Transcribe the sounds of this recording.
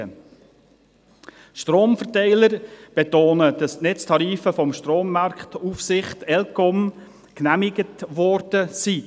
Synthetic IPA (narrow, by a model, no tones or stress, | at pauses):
ə | ʃtroːmfəɾtɛɪləɾb̥etoːnəd̥ɑsnɛt͡stʰɑɾiːfəfɔmʃtroːmːɑrkχtufsɪχtɛlkɔm | knæmɪɡətʋɔɾd̥əsi